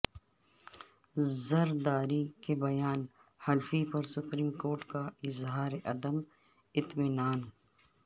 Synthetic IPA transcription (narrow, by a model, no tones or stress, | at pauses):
zɐɾd̪aːɾikebɐjaːn | hɐlfipɐɾsʊpɾiːmkoːɾʈkaɪzɦaːɾeʔɐd̪əm | ɪt̪mɪnaːn